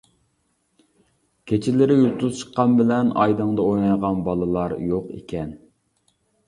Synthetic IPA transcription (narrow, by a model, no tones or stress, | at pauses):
kʲʰet͡ʃʰɪlɪɾɪjulˠt̪uzt͡ʃʰə̥qːɑnbɪlɛnɑjd̪əŋd̪ɑojnɑjʁɑnbɑlˠɨlˠɑɾjoqḛkʲʰɛn